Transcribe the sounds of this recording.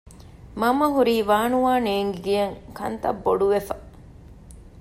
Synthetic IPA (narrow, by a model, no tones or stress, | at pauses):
mɐmɐɦuɾiːʋaːnuʋaːneːŋɡiɡijɐŋkɐ̰nt̪ɐ̰bːoɖuʋefɐ